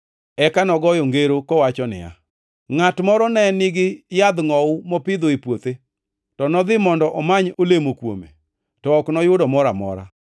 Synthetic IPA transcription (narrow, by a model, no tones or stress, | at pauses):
ɛkanɔɡɔjɔŋɡeɾokɔwat͡ʃɔnɪ̰ja̰ | ŋatmɔɾɔnɛnɪɡɪjad̪ŋɔʊmɔpɪd̪oipwot̪e | tɔnɔd̪ɪmɔndɔʔɔmaɲolemokwo̰mḛ | tɔɔknɔjʊdɔmɔɾamɔ̰ɾa̰